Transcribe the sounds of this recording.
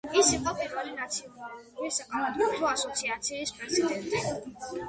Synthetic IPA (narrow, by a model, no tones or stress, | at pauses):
isiqʼɔpʰʼiɾvɛlinat̪sʰiɔnaluisaqʼanat̪ʼɔt̪ʰuasɔt̪sʰiat̪sʰiːspʼɾɛzid̪ɛnt̪ʼi